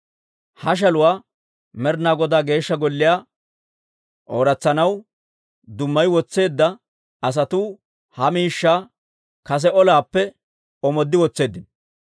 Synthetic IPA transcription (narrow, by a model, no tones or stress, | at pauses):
hɐʃ̬ɐlʊwaː | mɛɾnaːɡɔd̪aːɡe̞ːʃːɐɡɔlːɪjaː | ʔoːɾɐt͡sːɐnɐw | d̪ʊmːɐjwɔt͡sːe̞ːd̪ːɐ | ɐs̬ɐt̪uː | hɐmiːʃːaː | kɐs̬ɛɔlaːpːɛ | ɔmɔd̪ːɪwɔt͡sːe̞ːd̪ːɪnɔ